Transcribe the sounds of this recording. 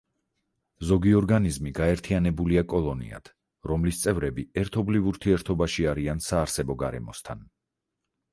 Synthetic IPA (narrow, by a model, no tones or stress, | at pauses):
zɔɡiɔɾɡanizmiɡaɛɾt̪ʰianɛbuliakʼɔlˠɔnḭa̰t̪ʰ | ɾɔmlist̪sʼɛvɾɛbiɛɾt̪ʰɔblivuɾt̪ʰiɛɾt̪ʰɔbaʃiaɾiansaːɾsɛbɔɡaɾɛ̰mɔst̪ʰa̰n